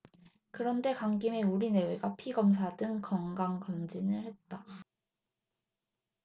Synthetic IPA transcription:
kɯɾʌnde̞kwaŋɡime̞uɾine̞we̞ɡapʰiɡʌms̬ʰadɯŋkʌŋɡaŋkʌnd͡ʑinɯɭhe̞t̚t͈a

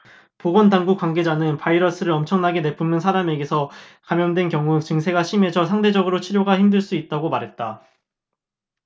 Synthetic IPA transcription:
poɡʌndaŋɡuk͈waŋɡe̞d͡ʑanɯnpʰaiɾʌs͈ɯɾɯɾʌmt͡ɕʰʌŋnaɡe̞ne̞pʰɯmnɯnsʰaɾame̞ɡe̞sʰʌkamjʌndwe̞nkjʌŋut͡ɕɯŋsʰe̞ɡaɕʰime̞d͡ʑʰʌsʰaŋde̞d͡ʑʌɡɯɾot͡ɕʰiɾjoɡaçimdɯɭs͈uit̚t͈aɡomaɾɦe̞t̚t͈a

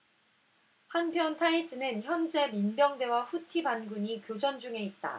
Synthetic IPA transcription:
hanpʰjʌntʰaid͡ʑʰɯinɯnçjʌnd͡ʑe̞minbjʌŋde̞waɸutʰibanɡuɲikjod͡ʑʌnd͡ʑuŋe̞it̚t͈a̰

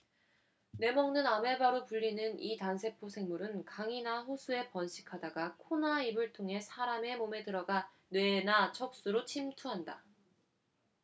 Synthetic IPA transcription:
ne̞mʌŋnɯname̞baɾopuʎːinɯnitansʰe̞pʰosʰe̞ŋmuɾɯnkaŋinaɸosʰue̞pʌnɕʰi̥kʰadaɡakʰonaibɯɭtʰoŋɦe̞sʰaɾame̞mome̞tɯɾʌɡa | nwe̞nat͡ɕʰʌp̚s͈uɾot͡ɕʰimtʰuɦanda

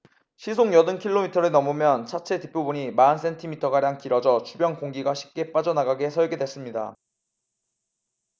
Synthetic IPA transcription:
ɕʰis̬ʰoŋjʌdɯnkʰiɭːomitʰʌɾɯnʌmumjʌnt͡ɕʰat͡ɕʰe̞tipʰjobuɲimans̬͈ʰe̞ntʰimitʰʌɡaɾjaŋkiɾʌd͡ʑʌt͡ɕʰubjʌnkoŋɡiɡaɕʰi̥p̚k͈e̞p͈ad͡ʑʌnaɡaɡe̞sʰʌɭɡe̞dwe̞s͈ɯmɲida̰

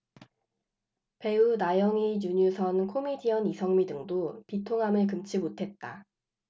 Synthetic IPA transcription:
pe̞unajʌŋiɲuɲusʰʌnkʰomidiʌnisʰʌŋmidɯŋdopitʰoŋɦamɯɭkɯmt͡ɕʰimotʰe̞t̚t͈a

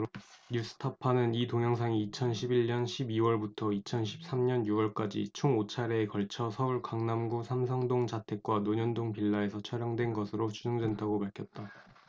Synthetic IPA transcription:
ɲus͈ʰɯ̥tʰapʰanɯnitoŋjʌŋs̬ʰaŋiːt͡ɕʰʌnɕʰibiʎɲʌnɕʰibiwʌɭbutʰʌit͡ɕʰʌnɕʰi̥p̚s͈amɲʌnjuwʌɭk͈ad͡ʑḭt͡ɕʰoŋot͡ɕʰaɾe̞ːkʌɭt͡ɕʰʌsʰʌuɭkaŋnamɡusʰamsʰaŋdoŋd͡ʑatʰe̞k̚k͈wanoɲʌndoŋpiɭːae̞sʰʌt͡ɕʰʌɾjʌŋdwe̞nɡʌsʰɯɾot͡ɕud͡ʑʌŋdwendaɡopaɭkʰjʌt̚t͈a

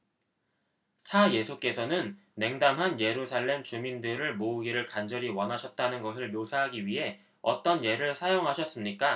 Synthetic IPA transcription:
sʰaje̞sʰuk͈e̞sʰʌnɯnː | e̞ŋdamɦanje̞ɾusʰaɭːe̞mt͡ɕumindɯɾɯɭmouɡiɾɯɭkand͡ʑʌɾiwʌnɦaɕʰʌt̚t͈anɯnɡʌsʰɯɭmjosʰaɦaɡiɥiɦe̞ | ʌ̰t͈ʌnje̞ɾɯɭsʰajoŋɦaɕʰʌs͈ɯmɲik͈a

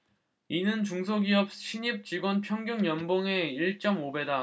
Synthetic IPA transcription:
inɯnt͡ɕuŋsʰoɡiʌp̚ɕʰiɲip̚t͡ɕiɡwʌnpʰjʌŋɡjoŋjʌnboŋe̞iɭt͡ɕ͈ʌmobe̞da

